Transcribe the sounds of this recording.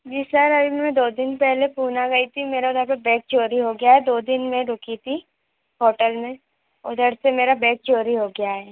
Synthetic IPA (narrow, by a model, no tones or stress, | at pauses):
d͡ʒiːsɐɾɐbʱimɛ̃d̪oːd̪ɪnpɛɦlepuːnaɡɐit̪ʰimeːɾaʊd̪ʱəɾpebɛ̃ːk̚t͡ʃoːɾiɦoɡɪjaɦɛd̪oːd̪ɪnmẽɾʊkit̪ʰi | ɦɔːʈəlmẽ | ɔ̰ːd̪əɽsemeːɾabɛ̃ːk̚t͡ʃoːɾiɦoɡɪjaɦɛː